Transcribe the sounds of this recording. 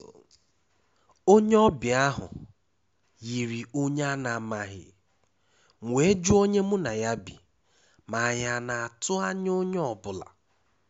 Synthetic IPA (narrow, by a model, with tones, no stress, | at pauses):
o˦ɲe˦ɔ˦bɪ˨a˦ɦʊ̰˨ | ji˨ɾi˨o˦ɲ˦a˦na˨ma˦ɦɪ̰˨ | ŋʷ˨e˨˦d͡ʒu˦o˦ɲe˦mʊ˦na˨ja˦bi˨ | ma˨ja˦na˨a˨tʊ˦a˦ɲ˦o˦ɲ˦ɔ˨bʊ˨la̰˨